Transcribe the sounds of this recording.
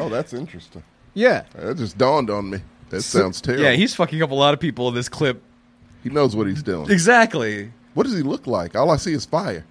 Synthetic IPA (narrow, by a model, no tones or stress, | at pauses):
oʊðætsɪ̃nt͡ʃɹ̥ɨstɪ̃ŋ | jæðɨd̥d͡ʒ̥ʌsd̥ɔ̃ndn̩miðɨtsãʊ̃ndz̥tʰɛɹjæhiz̥fʌkɪ̃ŋʌpəlɔɾʌv̥pipl̩ˠə̃nðɪskʰl̥ɪp̚ | hinoʊzwʌt̚hizdṵɪ̰̃ɨɡzæk̚tˡli | wʌt̚d̥ʌzilʊklaɪkaɪlˠaɪsiɨz̥faɪə˞